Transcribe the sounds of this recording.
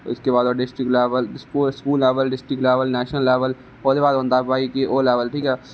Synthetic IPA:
ɪskebaːd̪oːɖɪsʈɾɪkʈlɛːʋəlskuskuːlːeːʋəlɖɪsʈɾɪkʈleːʋəlnɛːʃnəlːɛːʋəl | oːd̪eːbaːd̪ə̃nd̪aːaːikeʔoːlɛːʋəlʈʰiːkɛː

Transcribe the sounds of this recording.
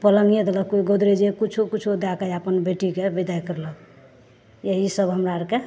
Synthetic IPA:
pələŋijed̪eləkiɡod̪ɾed͡ʒekut͡ʃʰukut͡ʃʰud̪akəjapənbeʈikebid̪ajkəɾlək | jeɦisəbɦəmɾaɾke

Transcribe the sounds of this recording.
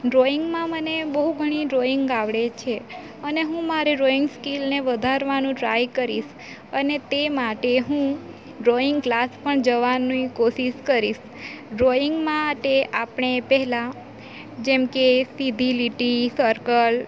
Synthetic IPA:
ɾoiŋɡmãmənebəɦuɡʱəɽ̃iɾoiŋɡaʋɽet͡ʃʰe | əneɦũmaɾeɾoiŋɡskilneʋəd̪ʱaɾʋanũʈɾa̰jkəɾiʃ | ənet̪emaʈeɦũ | ɾoiŋɡklaspəɳd͡ʒəʋanuikoʃiʃkəɾiʃ | ɖɾoiŋɡmãʈeʔapɳ̃epɛɦɛlã | d͡ʒemkesid̪ʱiliʈisəɾkəl

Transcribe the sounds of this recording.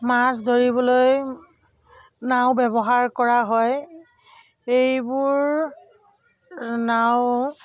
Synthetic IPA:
masdoɹibɔloj | naʊ̃bɛbɔɦaɹkɔɹaɦɔj | ejbʊɹ | naʊ

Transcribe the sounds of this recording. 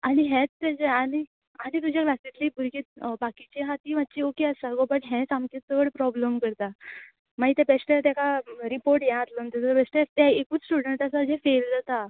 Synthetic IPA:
aɽ̃iɦɛ̃t͡st̪ːɛd͡zeaɽ̃i | anit̪ud͡ʑʱjaklasit̪liːbuɾket̪̚bakit͡ɕeɦat̪iːʋat̪ːt͡ɕiokeasaɡobəʈɦɛ̃samket̪ːəɽpɾɔbləmkəɾt̪a | maɡit̪ɛpɛsʈat̪jakaɾipoɾʈjãat̪lənt̪et̪pɛsʈeɾt̪aekuːt͡ssʈuɽəɳʈasad͡ʑɛ̃feld͡zat̪a

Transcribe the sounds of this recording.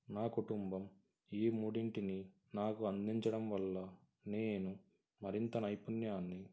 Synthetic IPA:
naːkuʈumbɐm | iːmuɽiɳʈini | naːkuɐnd̪iɲt͡ʃɐɽɐmʋɐlːɐ | neːnu | mɐɾint̪ɐnɐjpunjaːnːi

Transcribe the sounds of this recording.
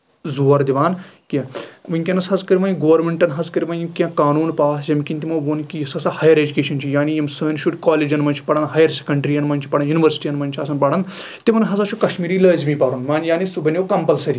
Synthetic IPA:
zuːɐɾd̪iʋaːnkʲiʋɨnkʲɐnɐsɐzkɐɾʲiʋɐːnɡoːʋɾmeɳʈɐnɦɐzkɐɾʲiʋɐnjimkʲẽkaːnuːnpaːsjɐmkʲinʲt̪imɐ̃ʋuːnkijisɐsɐhɐjɐɾeːd͡ʒukeːʃɐnt͡ʃʰijaːnijimsəːnʃuʈkaːleːd͡ʒɐnmɐnt͡ʃʰi̥pɐɽɐnɦɐjɐɾse̥kɐɳɖɾiːjɐnmɐnʲt͡ʃʰi̥pɐɽɐnjuniʋəɾsi̥ʈiːɐnmɐnʲt͡ʃʰɐsɐnpɐɽɐn | t̪imɐnɦɐsɐt͡ʃʰukɐʃmiːɾiːlɐːzmĩːpɐɾunʋaːnjaːnisubɐnʲokɐmpɐlsɐɾiː

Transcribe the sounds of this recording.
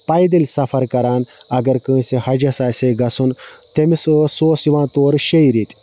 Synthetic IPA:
pajd̪ilsɐfʰɐɾkɐɾaːn | ɐɡɐɾkɨ̃ːsehɐd͡ʒɐsaːseɡɐsun | t̪emisəsoːsiʋãːt̪oːɾɕeiɾit̪ʲ

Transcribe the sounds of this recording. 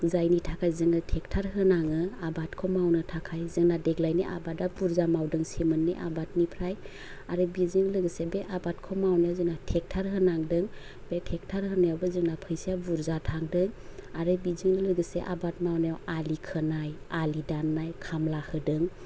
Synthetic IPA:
zajnitʰakʰajzɯŋɯtʰek̚tʰaɾɦɯnaŋɯabat̚kʰɔmawnɯtʰakʰajzɯŋnadeɡlajniʔa̰batabuɾzamawdɯŋsemɯnːḛʔa̰bat̚nipʰɾaj | aɾɯbizɯŋlɯɡɯsebeʔabat̚kʰɔmawnajzɯŋnatʰek̚tʰaɾɦɯnaŋdɯŋ | b̥etʰek̚tʰaɾɦɯnajawbɯzɯŋnapʰɯjsiabuɾzatʰaŋdɯŋaɾɯbizɯŋlɯɡɯseʔa̰bat̚mawnajwalikʰɯnajalidanːajkʰamlahɯdɯŋ

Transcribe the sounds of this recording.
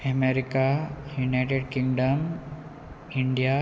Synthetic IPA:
ɐmeɾikajunajʈeɖkĩŋɡɖɐm | iɳɖija

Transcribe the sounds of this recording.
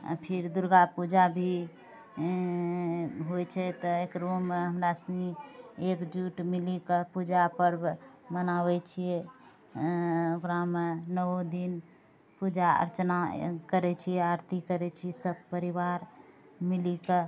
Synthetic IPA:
a̰pʰiɾd̪uɾɡapud͡ʒabʱi | ɦojt͡ʃʰɛt̪ɔekɾomeɦəmɾasə̃ŋɡiekd͡ʒuʈmilikəpud͡ʒapəɾmənaβɛt͡ʃʰije | okɾamenəod̪in | pud͡ʒaə̰ɾt͡ʃnakəɾɛt͡ʃʰiɛəɾt̪ikəɾɛt͡ʃʰisəb̚pəɾiʋaɾ | milikə

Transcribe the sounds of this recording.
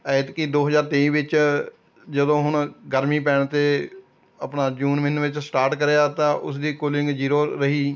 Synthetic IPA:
ɛːɪt̪kid̪oːɦəzaːɾt̪eĩːʋɪt͡ʃ | d͡ʒəd̪õːɦʊɳ̃ɡəɾmĩːpɛːɳt̪eː | əpɳaːd͡ʒuːnʋɪnʋɪt͡ʃsʈaːɾʈkəɾeaːt̪ãːʔʊ̰s̬d̪iːkoːlɪŋɡd͡ʒiːɾoːɾəɦiː

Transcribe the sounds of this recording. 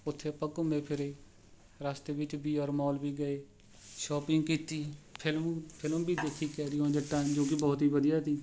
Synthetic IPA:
ʊt̪ʰːeːpəkʊmeːpʰɪɾeː | ɾaːst̪eːʋɪt͡ʃbʱiːɔːɾmɔːlbiːɡəeː | ʃɔːpɪŋɡkiːt̪iːpʰɪlpʰɪlə̃bʱiːd̪eːkʰːiːkɛːɾɪjõːd͡ʒəʈːãːd͡ʒoːk̬ɪbɔːt̪ɦiːʋəd̪ijaːt̪iː

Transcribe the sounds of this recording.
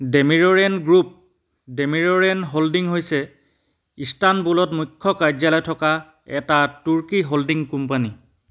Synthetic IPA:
demiɹɔɹɛnɡɹup̚ | demiɹɔɹɛnɦoldiŋɦojsɛ | istanbulɔtmujkʰːɔkad͡ʒalɔjtʰɔka | ɛtatuɹkiɦoldiŋkumpani

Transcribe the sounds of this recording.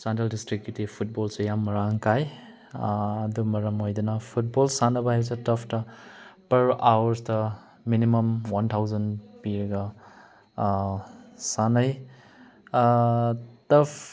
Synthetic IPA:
santeldistɾik̚ːitipʰut̚bolsujamːɐɾaŋkaj | dumɐɾɐmojdunɐpʰut̚bolsanɐbɐɦajɾs̬etɐpʰtɐpɐɾawɐɾstɐ | minimɐmwantʰawzɐnpiɾɐɡɐ | sanaj | tɐpʰ

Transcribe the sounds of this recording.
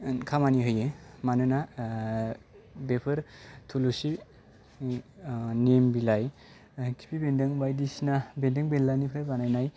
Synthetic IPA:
kʰamaniɦɯjemanɯna | bepʰɯɾtʰulusi | nembilaj | kʰi̥pʰibendeŋbajdisinabendeŋbelːanipʰɾajbanajnaj

